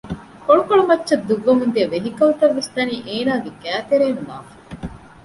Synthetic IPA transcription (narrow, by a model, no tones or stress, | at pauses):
koɭukoɭumɐtːʃɐd̪ːuɡːɐmund̪iɐʋeɦikɐɦut̪ɐʋːest̪ɐniːʔeːnaːɡeɡæːt̪eɾeːnunaːfɐ̥